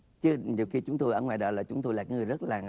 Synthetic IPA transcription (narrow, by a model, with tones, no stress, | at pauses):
t͡ɕɨ˨˦ɲi˨˩wxi˧t͡ɕʊ˨˦ŋ͡mt̪o˧jʔəː˧˩ŋwa̰ː˨jɗɔ̰ː˧˩laː˨˩t͡ɕʊ˨˦ŋ͡mt̪o˧jlaː˨˩kaː˨˦ŋ˨˩zə˦˥t̚laː˨˩